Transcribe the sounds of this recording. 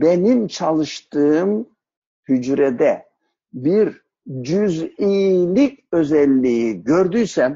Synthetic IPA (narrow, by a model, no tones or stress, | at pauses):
benimt͡ʃʰalˠɯʃt̪ɯɯm | hyd͡ʒɾɛd̪ɛ | biɾ | d͡ʒyzilʲicø̞zɛlʲːiiɟø̞ɾd̪yjsɛm